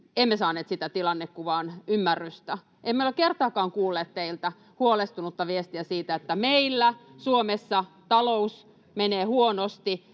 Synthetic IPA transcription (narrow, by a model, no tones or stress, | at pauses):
emːesɑːneːt̪sit̪æt̪ilɑnːekkuʋɑːnymːærːyst̪æ | emːeolekert̪ɑːkɑːŋkuːlːeːt̪t̪eilt̪æ | huolest̪unut̪ːɑʋiest̪iæsiːt̪æet̪ːæmeilːæsuomesːɑ | t̪ɑlous | meneːhuonost̪i